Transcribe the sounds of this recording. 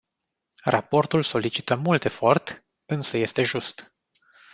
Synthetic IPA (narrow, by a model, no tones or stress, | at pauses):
rʔa̰po̞rt̪ulso̞lit͡ʃi̥t̪əmult̪efo̞rt̪ | ɨnsəje̞st̪e̞ʒust̪